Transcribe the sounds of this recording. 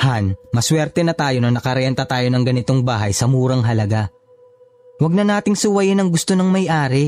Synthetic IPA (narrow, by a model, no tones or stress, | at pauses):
hanmɐswɛɾt̪ɛnɐt̪aːjo̞nɐnɐkɐɾɐɐnt̪ɐt̪aːjo̞nɐŋɡɐnɪt̪o̞ŋbaːɦɐjsɐmuːɾɐŋɦɐlɐɡa | wɐɡ̚nɐnaːt̪ɪŋsʊwɐjɪnɐŋɡʊst̪onɐŋmɐjʔaːɾɪ